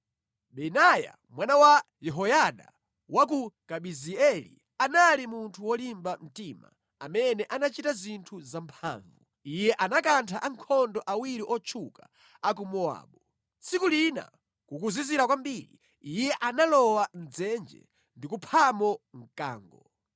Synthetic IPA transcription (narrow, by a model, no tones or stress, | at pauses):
ɓɛnaja̰ | mwanawa | jɛɦɔjaɗa̰ | wak̬ukaɓiziɛlḭ | analimuntʰuwɔlimbam̩tima̰ | amɛnɛʔanat͡ʃitazintʰuzampʰa̰ːɱvu | ijɛʔanakantʰaʔaŋkʰɔndɔʔawiɾiʔɔt͡ʃʰuka̰ | ak̬umɔa̰ːɓɔ | t͡sʰikulina̰ | kukuziziɾakwambiɾḭ | ijɛʔanalɔwan̩d͡zɛnd͡ʒɛ̰ | ndikupʰamɔŋ̩ka̰ːŋɡɔ